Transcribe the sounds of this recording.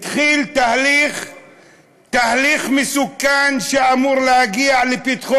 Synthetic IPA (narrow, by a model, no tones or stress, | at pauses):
t̪χilt̪ahliχ | t̪ahliχmesukːanʃeamuɾlehaɡiaʕlepit̪χo